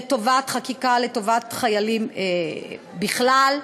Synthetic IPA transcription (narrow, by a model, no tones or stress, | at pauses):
to̞vatχakikaleto̞vat̪χajalime | biχlal